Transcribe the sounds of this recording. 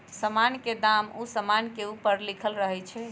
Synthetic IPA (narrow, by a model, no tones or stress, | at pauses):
səmanked̪amusəmankeupəɾlikʰəlɾəɦɛt͡ʃʰɛ